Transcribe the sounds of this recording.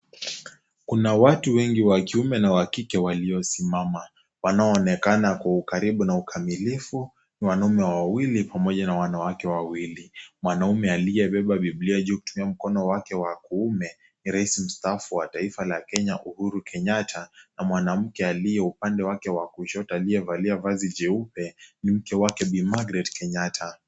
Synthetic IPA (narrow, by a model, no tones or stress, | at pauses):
kunawatuwɛŋɡiwakiumɛnawakikɛwaliɔsimama | wanaɔːnɛkanakwaukaɾiɓunaukʰamilifu | niwanaumɛwawilipamɔʄanawanawakɛwawilimwanaumɛaliɛɓɛɓaɓibliaʄukutumiam̩kɔnɔwakɛwakuumɛ | niɾaisim̩staːfuwataifalakɛɲaʔuhuɾukʰɛɲatʰanamwanam̩kɛalijɛupandɛwakɛwakuʃɔtaːlijɛvaliavazid͡ʒɛupɛnim̩kɛwakɛɓimaɡɾɛdkɛɲatʰa